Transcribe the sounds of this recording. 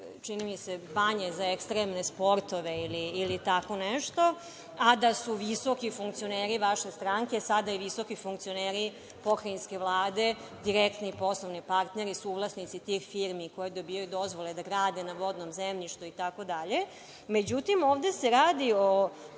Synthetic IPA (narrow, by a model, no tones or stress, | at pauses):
t͡ʃinimise̞baɲezaekst̪ɾemnespo̞ɾt̪o̞ʋeiliːlit̪ako̞nɛʃt̪o̞ | ad̪asuʋiso̞kifuŋkt̪sio̞neːɾiʋaʃest̪ɾaŋke̞sad̪aiʋiso̞kifuŋkt̪sio̞neːɾi | po̞kɾainskʲe̞ʋlˠaːd̪e̞ | d̪iɾekt̪nipo̞slˠoʋnipaɾt̪neɾisuːʋlˠasnit̪sit̪ixfiɾmiko̞jed̪o̞bijajud̪o̞zʋoled̪aɡɾaːd̪enaʋo̞d̪nomzemʎiʃt̪uit̪ako̞d̪aʎe̞ | med͡ʑut̪imoːʋd̪eseɾaːd̪io